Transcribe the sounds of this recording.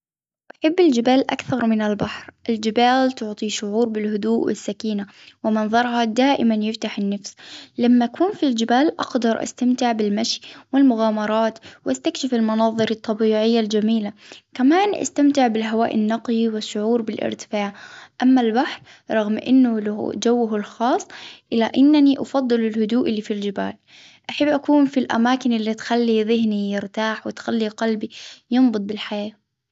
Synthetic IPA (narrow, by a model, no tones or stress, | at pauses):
ʔaħabːɪld͡ʒɪbaːlʔa̰kθɑɾˤmɪnɪlbaħɾʔɪld͡ʒɪbaːlt̪ʊʕt̪ˤiʃʊʕuːɾbɪlhʊd̪uːʔwɪ̰sːakiːna | wɪmɑnðˤɑɾˤhɑd̪aːʔɪmanjɪft̪aħɪnːafslamːaʔakʰuːnfild͡ʒɪbaːlʔɑ̰ɡd̪ɑɾˤʔa̰st̪amt̪ɪʕbɪlmaʃjwɪlmʊɣaːmɑɾˤɑːt̪wʔast̪akʃɪfɪlmɑnɑðˤɨɾɑt̪ˤːɑbiːʕɪjːald͡ʒamiːlakamaːnʔa̰st̪amt̪ɪʕbɪlɦawaːʔɪ̰nːɑqliwɪʃːʊʕuːɾbɪlʔɪ̰ɾt̪ɪ̥faːʕʔamːalbaħɾ | ɾˤɑɣmʔɪ̰nːʊla̰d͡ʒawːʊɦʊlxɑːsˤːʔɪlaʔɪnːaniʔɑfɑd̪ˤːɨlɪlhʊd̪uːʔɪlːiːfild͡ʒɪba̰ːl | ʔaħabːʔakuːnfilʔa̰maːkɪnʔɪlːit̪xalːiðɪɦnijɪɾt̪aːħwɪt̪xalːiqɑlbijɨnbɨt̪̚ˤbɪlħajaː